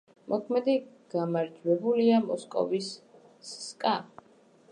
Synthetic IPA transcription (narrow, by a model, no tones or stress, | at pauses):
mʔɔkʰmɛd̪i | ɡ̥amaɾd͡ʒwɛbuliamɔskʼɔ̰visː | skʼa